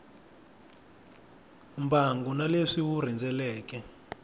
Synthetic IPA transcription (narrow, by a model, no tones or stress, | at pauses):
umbʱaŋɡunaleʂiwur̤ind͡zʱɛlɛːk̬ɛ